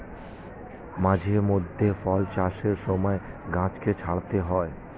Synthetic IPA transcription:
mãd͡ʑʱemod̪ʱːefɔlt͡ɕaʃeɾʃɔmɔeɡãt͡ɕket͡ɕʰaɽt̪eɦɔe

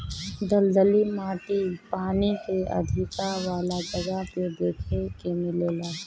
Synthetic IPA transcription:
d̪əld̪əlimaːʈipaːnikeɐ̰d̪ʱɪkaʋaːlad͡ʒɐɡaped̪eːkʰekemɪleːlaː

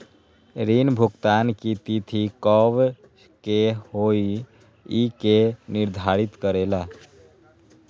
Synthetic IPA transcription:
ɾinbʱukt̪ankit̪it̪ʰikəʋ | kehoi | ikeniɾd̪ʱaɾit̪kəɾela

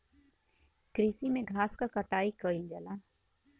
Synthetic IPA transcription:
kɾiːsimẽɡʱaːskakəʈaːikəĩd͡ʒɛla

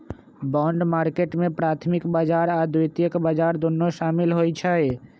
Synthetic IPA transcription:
bɔːɳɖmaːɾkeʈmẽpɾaːt̪ʰmɪkbaːd͡ʒaːɾaːd̪ujt̪ijəkbaːd͡ʒaːɾd̪onːoʃaːmɪlɦojt͡ʃʰəe

